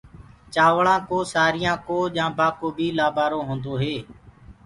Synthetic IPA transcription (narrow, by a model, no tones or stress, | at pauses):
t͡ʃaːʋɭãːkoːsaːɾɪjãːkoːʄãːbaːkoːbʱiːlaːbaːɾõːɦõːnd̪oːɦeː